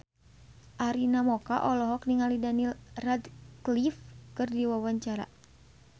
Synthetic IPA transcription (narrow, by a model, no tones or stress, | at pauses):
ʔaɾinamɔkaʔɔlɔɦɔkniŋalidanilrad̪klifkɨrdiwawaɲt͡ʃaɾa̰